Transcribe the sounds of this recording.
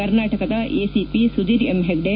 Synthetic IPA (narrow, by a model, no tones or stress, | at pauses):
ɐɾnaːʈɐkɐd̪ɐʔeːsipisud̪iːɾemɦeɡɖe